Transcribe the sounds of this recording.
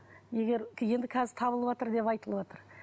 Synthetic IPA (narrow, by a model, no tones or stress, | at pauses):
je̞ɡʲe̞ɾje̞nd̪ɪkʲʰæzɪt̪ʰɑbəlˠəβwɑt̪əɾd̪e̞pɑjt̪əlˠəbwɑt̪əɾ